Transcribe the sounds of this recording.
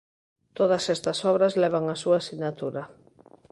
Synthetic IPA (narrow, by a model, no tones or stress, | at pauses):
t̪oðasɛst̪asɔβɾazlɛβ̞aŋasuaːsiɣnat̪uɾa